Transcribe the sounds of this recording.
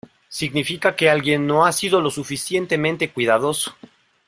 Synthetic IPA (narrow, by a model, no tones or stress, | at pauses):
siɣnifikake̞alɣje̞nːo̞asiðo̞lo̞sufisje̞nt̪e̞mẽnt̪e̞kwiðaðo̞so̥